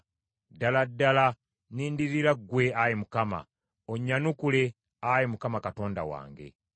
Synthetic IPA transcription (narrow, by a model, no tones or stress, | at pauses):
daladːala | niːndiɾiɾaɡwe̞ajemukama̰ | oɲːanukule̞ | ajemukamakato̞ːnda̰wa̰ːŋɡe̞̰